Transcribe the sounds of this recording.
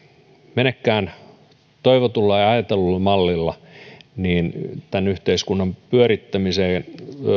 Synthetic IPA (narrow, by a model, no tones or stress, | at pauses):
menekːæːn | t̪oiʋot̪ulːɑjɑɑjet̪elulːemɑlːilːɑniːnt̪ænyht̪eiskunːɑmpyøɾit̪ːæmiseːn